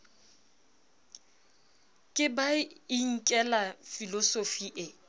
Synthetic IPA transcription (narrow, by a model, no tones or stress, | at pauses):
kʼɪbaiŋ̩kʼɛlafilɔsofiʔɪ